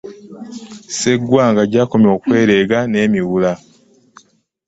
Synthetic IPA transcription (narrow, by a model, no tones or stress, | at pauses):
se̞ɡwaːŋɡaɟaːko̞mjo̞ːkwe̞ːɾeːɡane̞ːmiwula